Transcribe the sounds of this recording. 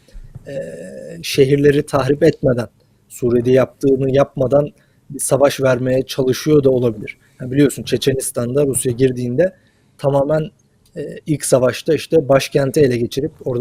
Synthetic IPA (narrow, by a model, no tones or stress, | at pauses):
ɛːʃe̞ɦiɾlʲe̞ɾit̪ʰaɦɾipɛt̪med̪æn | suːɾed̪ɛjap̚t̪ʰɯːnɯjap̚mad̪an | bisavaʃvæɾme̞jɛt͡ʃʰalˠɯʃɯjo̞d̪ao̞lˠabilʲiɾ̥ | anbilijo̞sunt͡ʃʰe̞t͡ʃʰe̞nist̪ʰand̪aɾusjaɟiɾd̪iːnd̪ɛ | t̪ʰamaːmæn | ɛːilʲcsavaʃt̪ʰaiʃt̪ʰɛbaʃcʰænt̪ʰielʲɛɟe̞t͡ʃʰiɾip̚o̞ɾd̪